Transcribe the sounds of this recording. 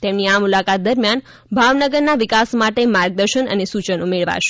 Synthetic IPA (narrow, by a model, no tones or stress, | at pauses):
t̪emniamulakat̪̚d̪əɾmjan | bʱaʋnəɡəɾnaʋɪkasmaʈemaɾɡ̚d̪əɾʃənə̰nesut͡ʃənumeɭʋa̰ʃ